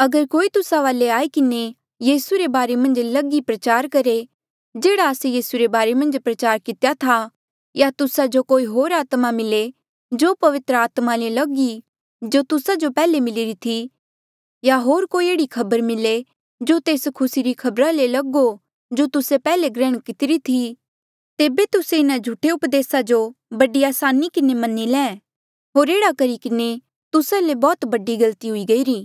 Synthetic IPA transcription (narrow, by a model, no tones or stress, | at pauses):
ɐɡəɾkoːit̪ʊsaʋaːleaːikɪne | jiːsuɾebaːɾemɐ̃nd͡ʒlɐɡipɾɐt͡ʃaːɾkɐɾe | d͡ʒeːɽaəsejiːsuɾebaːɾemɐ̃nd͡ʒpɾɐt͡ʃaːɾkɪt̪ejat̪ʰa | jat̪ʊsad͡ʒokoːiɦoːɾaːt̪mamɪle | d͡ʒoːpɐʋɪt̪ɾəaːt̪malelɐɡi | d͡ʒot̪ʊsad͡ʒopɛːlemɪlɪɾit̪ʰi | jaɦoːɾkoːieːɽikʰɐbəɾmɪle | d͡ʒot̪eːskʰʊsiɾikʰɐbɾalelɐɡo | d͡ʒot̪ʊsepɛːleɡɾɛːɽ̃kɪt̪ɪɾit̪ʰi | t̪eːbet̪ʊseɪnãd͡ʒʱuʈʰeʊpd̪eːsad͡ʒobɐɖiaːsaːnikɪnemɐnːilɛ̃ː | ɦoːɾeːɽakɐɾikɪne | t̪ʊsalebɔːt̪bɐɖiɡɐlt̪iɦʊiɡɐiːɾiː